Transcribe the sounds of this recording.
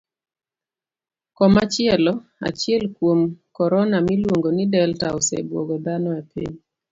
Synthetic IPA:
kɔmat͡ʃɪɛlɔa̰t͡ʃɪɛlkwomkɔɾɔnamilwoŋɡonidɛltaosḛbwoɡɔd̪anɔapʰḭɲ

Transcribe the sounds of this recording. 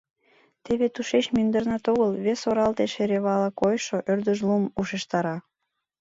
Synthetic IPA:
t̪eβet̪uʃet͡ɕmynd̪ərnɑt̪oɣəlβesoɾɑlt̪eʃeɾeβɑləkojʃoʔørd̪əʒlumuʃeʃt̪ɑɾɑ

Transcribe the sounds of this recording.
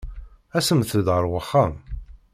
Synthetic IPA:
æsəmθəðʁəɾwəχːam

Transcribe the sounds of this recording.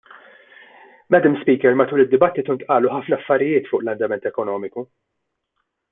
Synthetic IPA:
mɛd̪ɪmspiːkɛɾmɐt̪uːlɪd̪ːɪbɐt̪ːɪt̪uɪnkʔɐːluħɐfnɐːfːɐɾɪjɪːt̪fʊːʔlɐnd̪ɐmɛnt̪ɛkɔnɔːmɪku

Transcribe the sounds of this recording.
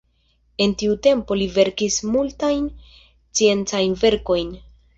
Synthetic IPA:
e̞ntiute̞mpo̞live̞ɾkismultajn | t͡sie̞nt͡sajnve̞ɾko̞jn

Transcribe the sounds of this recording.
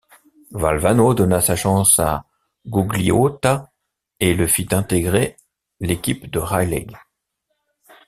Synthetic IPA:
va̰lvanod̪ɔnasaʃɑ̃sa̰ | ɡuɡliot̪a | eləfit̪ɛ̃t̪eɡʁe | lekʲipd̪əʁajlɛ̰ɡ

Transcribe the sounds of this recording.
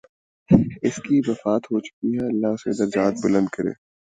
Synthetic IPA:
ɪskiʋɐfaːt̪ɦot͡ʃʊ̥kiɦɛɐlːaʊsḛd̪ɐɾd͡ʒaːt̪̚bʊlə̃nd̪̚kɐɾḛː

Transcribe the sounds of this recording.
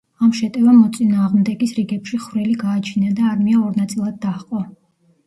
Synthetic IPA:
amʃɛt̪ʼɛvamɔt̪sʼinaːʁmd̪ɛɡisɾiɡɛpʃiχvɾiliɡaːt͡ʃʰinad̪aːɾmiaɔɾnat̪sʼilˠad̪̚ːaqʼɔ

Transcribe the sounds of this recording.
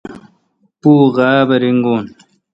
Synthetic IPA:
puːɣaːbɐɾiŋɡun

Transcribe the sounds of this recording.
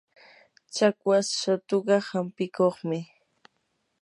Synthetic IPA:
t͡ʃakwasʃat̪oɢɑhampɪkoχmɪ

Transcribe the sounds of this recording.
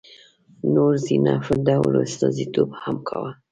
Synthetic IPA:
noɾzinɑfəd̪awlost̪ɑzit̪obhamkʰawa

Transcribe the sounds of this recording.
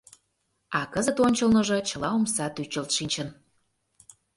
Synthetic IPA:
ɑkəzət̪onʲt͡ɕəlnə̆ʒɤ̆t͡ɕə̆lɑomsɑt̪yt͡ɕə̆lt̪ʃinʲt͡ɕə̆n

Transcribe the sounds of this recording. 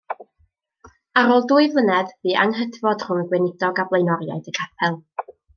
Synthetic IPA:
aɾoːlˠduːɨvlˠənɛðviːʔa̰ŋɦədvɔd̥r̥ʊŋəɡwɛnɪd̥ɔɡablˠejnɔɾja̰jdəkʰapʰɛlˠ

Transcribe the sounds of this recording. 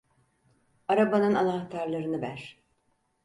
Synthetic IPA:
aɾabanɯnanaxt̪ʰaɾlˠaɾɯnɯvæɾ̥

